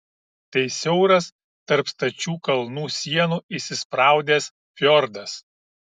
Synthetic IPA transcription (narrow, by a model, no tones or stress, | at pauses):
t̪ɐɪsʲɛʊɾɐs | t̪ɐɾpst̪ɐt͡ʃʲuːkɐlˠnuːsʲiɛnuːɪʃsʲɪspɾɑˑʊd̪ʲes | fʲjɔɾd̪ɐs